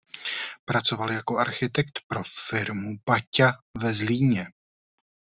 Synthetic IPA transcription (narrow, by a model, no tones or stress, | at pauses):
pɾat͡so̞valjako̞ʔaɾxɪt̪ɛkt̪pɾo̞fɪɾmubacavɛzliːɲɛ